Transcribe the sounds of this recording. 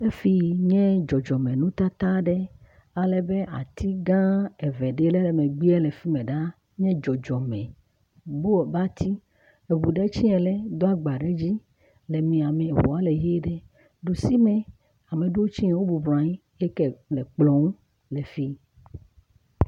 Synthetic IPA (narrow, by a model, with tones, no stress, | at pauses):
e˦fi˦ɲɛ̃˦d͡ʒɔ˨d͡ʒɔ˨mɛ̃˨nũ˦t̪a˦t̪a˦ɖɛ˦ | a˨lɛ˨be˦ʔa̰˨t̪i˦ɡã˦ɛ˨vɛ˨ɖe˦lɛ˦lɛ˨mẽ˨ɡ͡bi˦ɛ˦le˨fi˦mɛ̃˨ɖa˦ | ɲɛ̃˦d͡ʒɔ˨d͡ʒɔ˨mɛ̃˨ | bo˦ɔ˨ba˦t̪ʰi˦ | e˨βu˨ɖɛ˦t͡ɕi˦ɛ̃˨lɛ˦d̪ɔ˦a˦ɡ͡ba˨ɖe˦d͡ʑi˦ | le˨mĩ˨a˨mɛ̃˨wɔ˨a˦le˨ɦe˦ɖɛ˦ | ɖu˨si˦mɛ̃˨ | a˨me˨ɖo˦wo˦t͡ɕi˦ɛ̃˨˦wo˦bu˨bɾã˨i˦ | e˦kɛ˨lɛ˨k͡plɔ̃˨ŋ˦ | le˨fi˦